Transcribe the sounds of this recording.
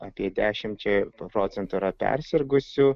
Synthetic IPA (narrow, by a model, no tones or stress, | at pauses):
ɐpʲiɛd̪ʲæːʃʲɪmt͡ʃʲɛpɾoːt̪sʲɛnt̪uiɾɐpʲɛ̰ɾʲsʲɪɾɡʊsʲʊ